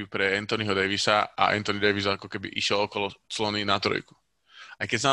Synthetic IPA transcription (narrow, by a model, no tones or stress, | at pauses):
upɾɛɛnt̪ɔniɦɔd̪ɛjʋisaʔa̰ʔɛ̰nt̪ɔnid̪ɛjʋis̬ɔakɔkɛbḭʔiʃɪɛlɔkɔlɔt͡slɔninat̪ɾɔ̰jku̥ | ajkɛza